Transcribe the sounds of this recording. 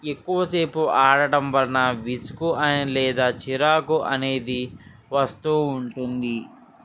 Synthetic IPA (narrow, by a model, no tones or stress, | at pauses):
ekːuʋɐse̞ːpuʔaːɽɐʈɐmʋɐlɐnɐʋisu̥kuɐnilɛːd̪aːt͡ʃiɾaːkuʔɐ̰ne̞ːd̪i | ʋɐst̪uːɳʈund̪i